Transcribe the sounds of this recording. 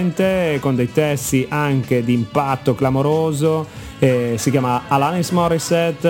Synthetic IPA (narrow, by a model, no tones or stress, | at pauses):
nt̪ekond̪ejt̪ɛst̪iʔaŋk̟ed̪iːmpat̪ːoklamoɾoːzo | ɛsikjaːmaalanismɔrisɛt̪ː